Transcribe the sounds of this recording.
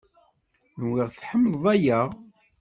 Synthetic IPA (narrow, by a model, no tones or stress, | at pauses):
nwiʁθħəmːəðˤæjəʁ